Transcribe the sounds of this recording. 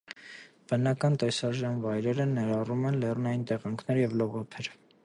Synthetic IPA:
b̥ənɑkɑnt̪ɛsɑɾʒɑnvɑjɾɛɾənɛɾɑrumɛnlɛrnɑjint̪ɛʁɑŋkʰnɛɾjɛvlɔʁɔpʰɛɾ

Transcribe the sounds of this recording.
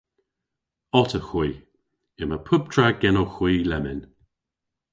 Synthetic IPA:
ɔtəxwiː | ɪməpʰʊb̚tʰɹaɡɛnoxwiːlɛmɪn

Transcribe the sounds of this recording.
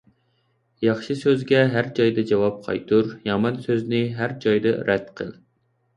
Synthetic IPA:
jɑχʃɨsøzɡʲɛɦæɾd͡ʒɑjd̪ɨd͡ʒɑwɑp̚qʰɑ̰jt̪ʰuɾjɑmɑnsøznɪɦæɾd͡ʒɑjd̪ɨɾʔɛt̪qʰə̰lˠ

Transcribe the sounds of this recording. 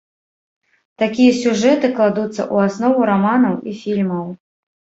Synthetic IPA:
t̪akʲijɐsʲuʐɛt̪ɨklˠad̪ut̪sːɐ̰ʔuasnɔvuɾamanɐwifʲilʲmɐw

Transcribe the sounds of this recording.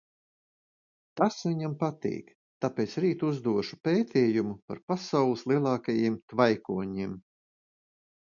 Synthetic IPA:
t̪asviɲampat̪ḭːk | t̪apeːt̪sɾiːt̪uzd̪uɔʃu̥peːt̪ʰɛːjumupaɾpasawlˠislˠiɛlˠɑːkajimt̪vajkuɔɲim

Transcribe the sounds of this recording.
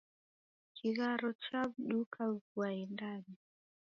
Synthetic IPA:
kʰiɣaɾɔt͡ʃabɗukʰaɣwaindani

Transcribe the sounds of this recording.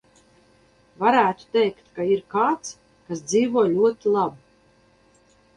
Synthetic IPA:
vaɾæːt̪u̥t̪ɛjkt̪kaiɾkaːt̪s | kasd̪ziːvuɔjlʲuɔt̪ilˠabu

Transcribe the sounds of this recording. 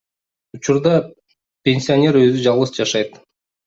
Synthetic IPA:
ut͡ʃuɾd̪ɑ | pʲenʲsʲɪonʲe̞ɾø̞zyd͡ʒɑlˠʁɯsd͡ʒɑʃɑjt̪

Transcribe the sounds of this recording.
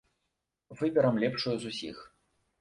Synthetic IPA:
vɨbʲɐɾɐmlʲɛpʂujuzusʲḭx

